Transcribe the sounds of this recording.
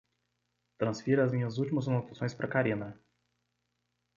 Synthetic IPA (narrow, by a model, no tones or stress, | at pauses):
t̪ɾɐ̃sfiɾɐzmĩɲɐzut̪imɐzɐnot̪ḁsõj̃spɾʔɐkaɾinɐ